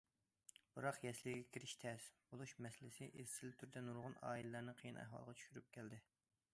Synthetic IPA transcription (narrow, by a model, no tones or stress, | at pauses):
b̥ɨɾɑqjɛslɪɡʲɛkʲʰiɾɪʃt̪ʰɛsbolˠuʃmɛsɪlɪsɪʔeɾsɪlt̪ʰyɾd̪ɛnuɾʁʊnɑ̰ːilɪlæɾnɨqʰijinæ̰hwɑ̰lˠʁɑt͡ʃʰy̥ʃyɾyp̚kʲʰɛld̪ɪ